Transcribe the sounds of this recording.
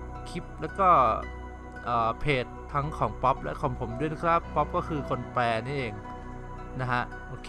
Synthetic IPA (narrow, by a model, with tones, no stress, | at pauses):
kʰi˦˥p̚lɛː˦˥wkɔː˥˩ | ʔɤː˨˩pʰeː˨˩t̪̚ʰːa˦˥ŋkʰɔː˩˦ŋpɔ˦˥p̚lɛ̰˦˥kʰɔː˩˦ŋpʰo˩˦mdu˥˩˨jna˦˥kʰɾa˦˥pːɔ˦˥p̚kɔː˥˩kʰɯː˧kʰo˧npɛː˧niː˥˩ʔeː˧ŋ | na˦˥kʰa˦˥ʔʔoː˧˩kʰː